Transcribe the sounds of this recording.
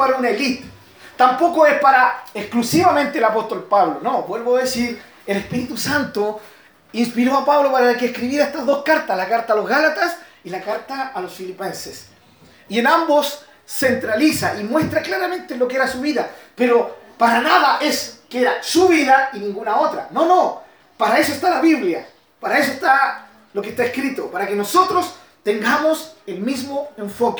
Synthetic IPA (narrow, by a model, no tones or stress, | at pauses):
aɾaunaelit̪ | t̪ampo̞koespaɾaeksklusiβament̪eːlapo̞st̪o̞lpaβlono̞bwe̞lβoaðesiɾ | elespiɾit̪usant̪o | inspiɾo̞apaβlopaɾakeːhkɾiβiɾaest̪azðo̞skaɾt̪aslakaɾt̪aːlo̞zɣalat̪as | ilakaɾt̪aːlosfilipe̞nses | ienambo̞sː | ent̪ɾalisaʔimwe̞st̪ɾaklaɾame̞nt̪elo̞keeɾasuβiðapeɾopaɾanaðaʔe̞skeeɾasuβiðainĩŋɡunao̞t̪ɾa̰no̞no̞ | paɾae̞soest̪alaβiβlja | paɾae̞s̬oest̪a | lo̞kest̪aeskɾit̪opaɾakeno̞so̞t̪ɾo̞s | t̪e̞ŋɡamoselmizmoe̞ɱfo̞k